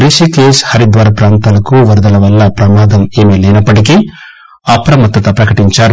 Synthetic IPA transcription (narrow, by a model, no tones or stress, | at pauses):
ɾiʃikleːshɐɾid̪ʋaːɾɐpɾaːnt̪ɐlɐkuʋɐɾd̪ɐlɐʋɐlːɐpɾɐmaːd̪ɐmeːmelejnɐpːɐʈik̬i | aːpɾɐmɐt̪ːɐt̪ɐpɾɐkɐʈiɲt͡ʃaːɾ